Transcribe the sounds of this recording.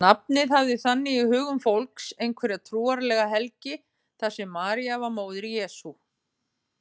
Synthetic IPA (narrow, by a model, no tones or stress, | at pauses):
nap̚nɪðhavðɪθanːɪihʏːɣʏmfowlksejnkʰvɛɾɪat̪ʰɾuːaɾlɛɣaɦɛlcɪ | θasɛmːaːɾiavaɾmoːwðɪɾijɛːsu